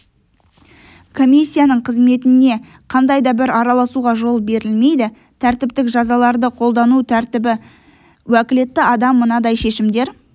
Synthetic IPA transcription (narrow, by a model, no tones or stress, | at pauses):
kʰo̞mʲijsʲːijanəɴqʰəzme̞t̪ɪne̞ | qʰɑnd̪ɑjd̪ɑbɪɾɑɾɑlˠɑsuʁɑʒo̞lˠbe̞ɾɪlme̞jd̪ɪ | t̪ʰæɾt̪ɪp̚t̪ɪkʒɑzɑlˠɑɾd̪əqʰo̞lˠd̪ɑnut̪ʰæɾt̪ɪbɪ | wækʲɪle̞t̪ːɪɑd̪ɑmːənɑd̪ɑjʃe̞ʃɪmd̪e̞ɾ